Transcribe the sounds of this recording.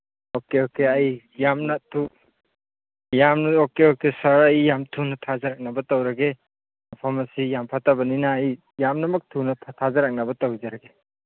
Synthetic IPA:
okeokeaj | jamnɐtʰu | jamnokeokesɐɾajjamtʰunɐtʰazaɾak̚nabɐtawɾɐɡe | ipʰɔmɐsijampʰatabɐninaːj | jamnɐmɐk̚tʰunɐtʰazaɾak̚nɐbɐtawzaɾaɡe

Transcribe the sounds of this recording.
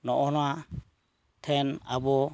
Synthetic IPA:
nɔʔɔna | tʰɛnabɔ

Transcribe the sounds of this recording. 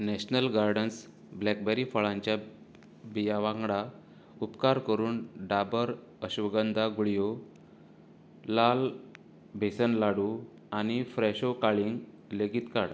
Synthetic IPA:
nɛɕnəlɡaɾɖəns | blɛk̚bɛɾifəɭãɲt͡ɕja | bijaʋãŋɡɽa | upkaɾkəɾuːnɖabəɾ | əɕʋəɡənd̪ʱaɡuɭjo | lal | bʱesənlaɽu | anifɾɛɕokaɭiŋɡ | leɡit̪kaɽ

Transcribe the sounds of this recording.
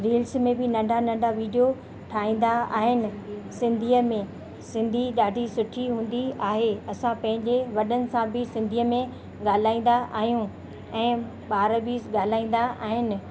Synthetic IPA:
ɾeːlsmẽbɪnɐ̃ɳɖʱanɐ̃ɳɖʱaʋiːɖijo | ʈʰaːĩːn̆d̪aa̰ːɦɪnɪ̆sɪ̃nd̪ʱiːəmẽ | sɪ̃nd̪ʱiɗaːɖʱisʊʈʰiɦũːn̆d̪iaːɦeɐsãpɐ̃ɦɪ̃ɲd͡ʑeʋɐɗənɪ̆sãbɪsɪ̃nd̪ʱiːəmẽ | ɡaːl̤aːĩːn̆d̪aʔa̰ːɦijũ | ɛ̃ː | ɓaːɾəbiɡaːl̤aːĩːn̆d̪aʔaːɦɪnɪ̆

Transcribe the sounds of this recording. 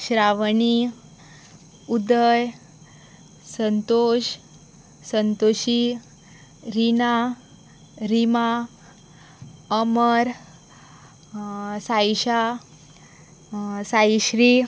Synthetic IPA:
ɕɾaʋɳi | ud̪əj | sənt̪oɕ | sənt̪oɕi | ɾina | ɾima | əməɾ | sajɕa | saiɕɾi

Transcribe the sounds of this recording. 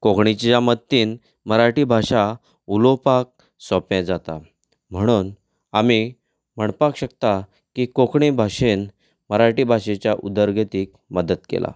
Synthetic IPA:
kokʰɳit͡ɕjamət̪ːiːn | məɾaʈibʱaɕa | ulopak̚ | sɔpɛ̃d͡zat̪a̰ | m̤əɽ̃uːn | ami | m̤əɳpakɕək̚t̪a | kikokʰɳibʱaɕen | məɾaʈibʱaɕet͡ɕjaʔud̪əɾɡet̪iːk̚ | məd̪ət̪kḛlʔa̰

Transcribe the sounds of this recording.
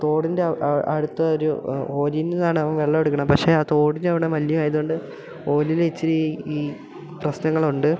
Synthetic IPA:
t̪o̞ːɽindeɐ̰ɽut̪ːɐoɾuo̞ːɾinːiðaːɳɨɐʋɐmʋeɭːɐeɽukːɐɳɐmpɐkʂe̞aːt̪o̞ːɽindɐʋiɽemɐljɐmaːjɐðuoɳɖɨ | o̞ːlilet͡ɕːiɾiiː | prɐɕnɐŋːɐɭuɳɖɨ

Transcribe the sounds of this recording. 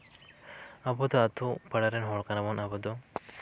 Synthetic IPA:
abɔd̪ɔat̪upaɽaɾɛnɦɔɭkanamɔnabɔd̪ɔ

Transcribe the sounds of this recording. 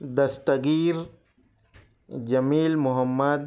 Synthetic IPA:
d̪ɐst̪ɐɡiːɾ | d͡ʒɐmiːlmʊɦɐmːad̪

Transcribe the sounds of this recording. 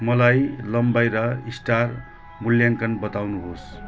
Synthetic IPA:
mʌlajlʌmbajɾʌisʈar | muljaŋkʌnbʌt̪awnuɦos

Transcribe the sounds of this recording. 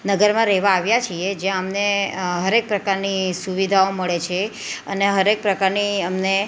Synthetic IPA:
nəɡəɾmãɾɛɦʋaːʋjat͡ʃʰied͡ʒjãəmneɦəɾek̚pɾəkaɾnisuʋid̪ʱaoməɭet͡ʃʰe | əneɦəɾek̚pɾəkaɾniəmne

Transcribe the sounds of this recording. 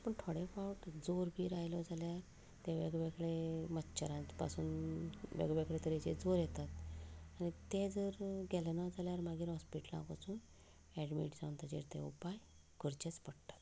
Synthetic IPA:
apəɳʈʰoɽefawʈd͡zoɾɡiːɾajlɔd͡zaljaɾ | t̪eʋeɡʋeɡɭemətːɕəɾãt͡ɕpa̰suːnʋḛɡʋeɡɭet̪əɾet͡ɕḛd͡zoɾjɛt̪at̪anit̪ed͡zəɾɡɛlnad͡zaljaɾmaɡiːɾɦɔspiʈəlã̰kɔt͡suːn | ɛɽmḭʈsãw̪t̪ad͡ʑḭɾt̪ḛupaj | ɡəɾt͡ɕet͡spəɽt̪ḁt̪

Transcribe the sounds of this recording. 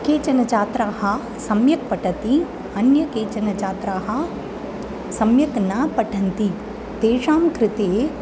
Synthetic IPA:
keːt͡ʃɐnɐt͡ʃaːt̪ɾaːɦɐ̆ | sɐmjɐk̚pɐʈʰɐt̪i | ɐnjɐkeːt͡ʃɐnɐt͡ʃaːt̪ɾaːɦɐ | sɐmjɐknaːpɐʈʰɐnt̪i | t̪eːʃaːmkɾɪt̪eː

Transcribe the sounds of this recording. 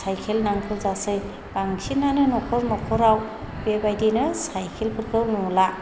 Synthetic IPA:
sajkʰelnaŋpʰɯɾzasɯj | baŋsʰinanɯnɔkʰɔɾnɔkʰɔɾaw | b̥ebajdinɯsajkʰelpʰɯɾkʰɯwnɔla

